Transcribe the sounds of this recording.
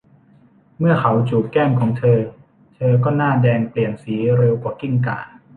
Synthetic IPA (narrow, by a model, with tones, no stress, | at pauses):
mɯ˥˩ɐkʰa˩˦wt͡ɕuː˨˩kɛː˥˩mkʰɔː˩˦ŋt̪ʰɤː˧ | t̪ʰɤː˧k̬ɔː˥˩naː˥˩dɛː˧ŋpli˨˩ənsiː˩˦ɾe˧wkwaː˨˩ki˥˩ŋka̰ː˨˩